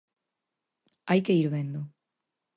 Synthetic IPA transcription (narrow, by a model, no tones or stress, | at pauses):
ajkeiɾβend̪o